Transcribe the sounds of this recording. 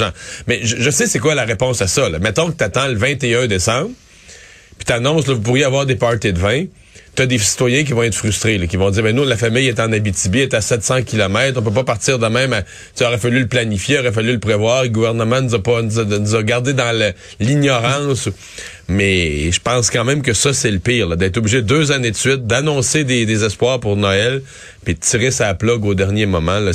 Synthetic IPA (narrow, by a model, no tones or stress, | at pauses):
ãmɛʒəʒəsesekwalaʁepɔ̃sasʌlʌ̰mɛt̪ɔ̃kət̪at̪ɑ̃ləvɛ̃t̪eœ̃d̪esɑ̃bʁ | pi̥t̪anɔ̃slʌvup̬uʁjeavwaːʁd̪epɑɹt̪ed̪vɛ̃ | t̪ad̪esi̥t̪wajɛ̃k̬ʲivɔ̃ɛt̪fʁyst̪ʁelʌkʲivɔ̃d̪ziːʁbɛ̃nulafamɪjɛt̪ɑ̃nabit͡s̪ibiɛt̪asɛt̪sɑ̃kʲilɔmɛt̪χɔ̃p̬øp̬ɔpaʁtt͡siːʁd̪əmɛ̃ma | t̪eɔʁɛfalyləplanifjeɔʁɛfalyləpʁevwaːʁləɡuvɛʁnəmɑ̃nuzapɔnuznuzɑɡaʁd̪ed̪ɑ̃l | liɲɔʁɑ̃su | mɛʒə̥pɑ̃skɑ̃mɛ̃mk̬əsʌsɛləpiːʁlʌd̪ɛːt̪ʁubliʒedd̪øzaned̪əsɥɪt̪̚d̪anɔ̃sed̪ed̪ezɛspwaːʁpuʁnɔɛl | pid̪ət̪t͡siʁesaplɔɡod̪ɛʁnjemɔmãlʌ